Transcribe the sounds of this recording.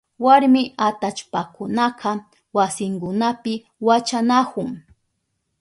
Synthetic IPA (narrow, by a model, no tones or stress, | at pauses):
waɾmɪat̪at͡ʃpakʊnɑqɑ | wasɪŋkʊnapɪ | wat͡ʃanakʊŋ